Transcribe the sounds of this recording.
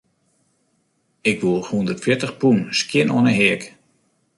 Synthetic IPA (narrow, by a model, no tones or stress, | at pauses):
ɪkʋulˠhundərtfjɪtəxpunskjɪnɔənəɦɪək